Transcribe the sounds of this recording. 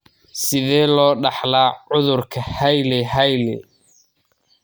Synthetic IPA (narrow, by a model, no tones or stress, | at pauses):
sɪðɛːlɔːɖɑħlaːʕʊðʊrkʰɐhɐjlɛɦɐjlɛ̰